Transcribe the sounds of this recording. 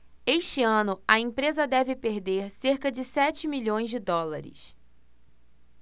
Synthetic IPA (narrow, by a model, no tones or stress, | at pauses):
eʃt͡ʃɪɐ̃nʊɐẽpɾezɐd̪ɛvɪpeɾd̪eɾseɾkɐd͡ʒɪsɛt͡ʃɪmiʎõj̃zd͡ʒɪd̪ɔlaɾɪ̰s